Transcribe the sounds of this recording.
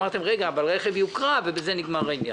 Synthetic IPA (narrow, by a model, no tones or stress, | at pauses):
aʁt̪e̞mʁeɡaːvalʁeχevjukʁavebezeniɡmaʁenja